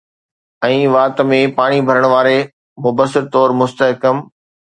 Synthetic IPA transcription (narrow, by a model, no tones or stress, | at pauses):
ɛ̃ːʋaːt̪̆mẽpaːɽ̃ibʱɐɾəɽ̃ʋaːɾe | mʊbəsɪɾt̪ɔːɾmʊst̪əɦkəm